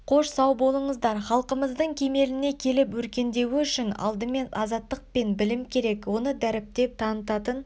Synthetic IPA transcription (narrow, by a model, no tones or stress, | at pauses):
qʰo̞ʃsɑwbo̞lˠəɴəzd̪ɑɾχɑlˠqəməzd̪əɴkʲʰe̞me̞lɪne̞kʲʰe̞lɪpwɵɾkʲe̞nd̪e̞wɪʏʃɪnɑ̰lˠd̪əme̞nɑzɑt̪ːəq̚pe̞nbɪlɪmkʲʰe̞ɾe̞kwo̞nəd̪æɾɪp̚t̪e̞p̚t̪ʰɑnət̪ɑt̪ən